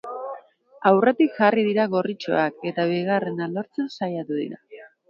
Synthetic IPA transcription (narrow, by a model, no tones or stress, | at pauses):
awre̞t̪ikʝariðiɾaɣo̞rit͡ʃo̰ake̞t̪aβiɣ̞are̞nalo̞ɾt͡sensajat̪uðḭɾa̰